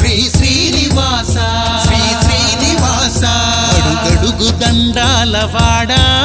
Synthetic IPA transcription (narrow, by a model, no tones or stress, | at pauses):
ɾiːsɾiːniʋaːsa | ʃɾiːsɾiːniʋaːsɐ | ɐɽuɡɐɽuɡud̪ɐɳɖaːlɐʋaːɽɐ